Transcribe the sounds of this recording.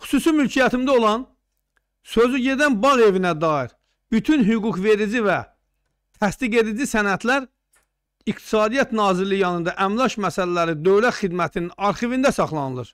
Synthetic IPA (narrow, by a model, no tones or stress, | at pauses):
χy̥suːsimylcʰijæt̪ʰimd̪æo̞lˠɑn | sø̞zyɟe̞d̪ænbɑʁe̞vinæd̪ɑːiɾ | byt̪ʰynɦyɡukve̞ɾid͡ʒivæ | t̪ʰæst̪iɡe̞d̪id͡ʒisænæt̪ʰlæɾ | ikt̪ʰi̥sɑːd̪ijæt̪nɑːziɾlijɑnɯnd̪ɑʔæmlˠɑʃmæsælælæɾid̪ø̞vlæt̪xid̪mæt̪ʰininɑɾχivind̪æsɑχlˠɑnɯlˠɯɾ